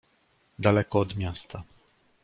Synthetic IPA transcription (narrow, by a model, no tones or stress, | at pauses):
d̪alɛkɔːd̪mʲjast̪a